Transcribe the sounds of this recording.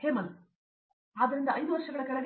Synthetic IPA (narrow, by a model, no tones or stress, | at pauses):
heːmɐl | aːd̪ɐɾind̪ɐʔɐjd̪uʋɐɾʂɐɡɐɭɐkɐɭɐɡ